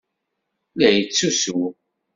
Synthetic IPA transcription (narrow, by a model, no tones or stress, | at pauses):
læjət͡sːusu